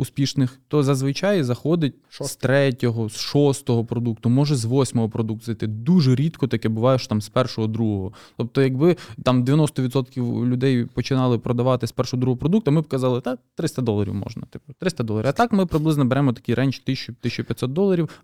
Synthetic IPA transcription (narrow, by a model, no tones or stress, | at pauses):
uspʲiʃnɪxt̪ɔzɐzʋɪt͡ʃɑjzɐxɔd̪ɪt̚ʲst̪ɾɛtʲɔɦɔsʃɔst̪ɔɦɔpɾɔd̪uk̚t̪ʊmɔʒɛzʋɔsʲmɔɦɔpɾɔd̪ukt̪zɪt̪ɪd̪uʒɛɾʲit̪kɔt̪ɐkɛbʊʋɑjɛʃɔ̥t̪ɑmspɛrʃɔɦɔd̪ɾuɦɔɦɔ | t̪ɔp̚t̪ɔjɐɡbɪt̪ɑmd̪ʲɪʋʲjɐnɔst̪ɔʋʲid̪t̪sɔt̪kʲiwlʲʊd̪ɛjpɔt͡ʃɪnɑlˠɪpɾɔd̪ɐʋɑt̪ɪspɛrʃɔɦɔd̪ɾuɦɔpɾɔd̪uk̚t̪ʊɐmɪbkɐzɑlˠɪd̪ɑt̪ɾɪst̪ɐd̪ɔlˠɐɾʲḭwmɔ̰ʒnɐt̪ɪ̥pt̪ɾɪst̪ɐd̪ɔlˠɐɾʲiɐt̪ɑkmɪpɾɪblˠɪznɔbeɾɛmɔt̪ɐ̥kʲiɾʔɛnʲt͡ʃt̪ɪʃt͡ʃɔt̪ɪʃt͡ʃːɔpʲjɐt̪sɔt̪̚d̪ɔlˠɐɾʲiw